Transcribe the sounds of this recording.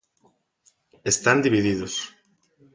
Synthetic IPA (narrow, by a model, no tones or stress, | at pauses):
est̪and̪iβiðiðos